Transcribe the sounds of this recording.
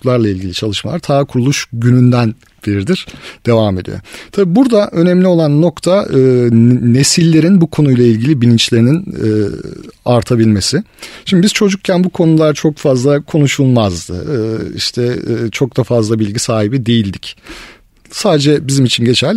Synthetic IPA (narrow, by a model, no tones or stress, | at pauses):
klˠaɾlˠailʲɟʲilʲit͡ʃʰalˠɯʃma̰lˠaɾt̪ʰaːkʰuɾulˠuʃɟynynd̪æn | biɾɾd̪iɾ̥d̪̥e̞vame̞d̪ḭjo̰t̪ʰabibuɾd̪aʔø̞nɛmlʲio̞lˠanːo̞kt̪ʰaɯːne̞silʲːe̞ɾinbukʰo̞nujlˠailʲɟilʲibilʲint͡ʃlʲe̞ɾininː | aɾt̪ʰabilʲme̞sɪʃimd̪ibiz̥t͡ʃʰo̞d͡ʒuk̚cʰænbukʰo̞nulˠaɾt͡ʃʰo̞kfazlˠakʰo̞nuʃulˠmazd̪ɯ̰ɯḭʃt̪ʰɛːt͡ʃʰo̞k̚d̪afazlˠabilʲɟisaːɦibid̪e̞jilʲd̪ic | saːd̪ed͡ʒɛbizimit͡ʃʰinɟe̞t͡ʃʰælʲ